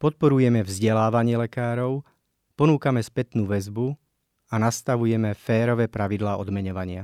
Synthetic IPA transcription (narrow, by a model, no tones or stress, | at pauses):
pɔt̪̚pɔɾujɛmɛvzɟɛlaːʋaɲɪɛlɛkaːɾɔʊ | pɔnuːkamɛspɛt̪nuːʋɛzbu | anast̪aʋujɛmɛfɛːɾɔʋɛpɾaʋid̪laːʔɔd̪mɛɲɔʋaɲɪa